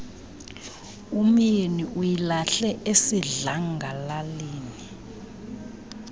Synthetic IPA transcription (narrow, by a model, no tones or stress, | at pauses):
umieniʔujilaɬɛʔesiɮaŋɡʱalaliːni